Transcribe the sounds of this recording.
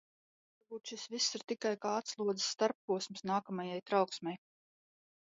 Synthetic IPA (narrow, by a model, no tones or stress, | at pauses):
vaɾbuːt̪ʃisvisːiɾt̪ikajkaːat̪slˠuɔd̪ə̥sːt̪aɾpːuɔsmsnaːkamajajt̪ɾawksmɛj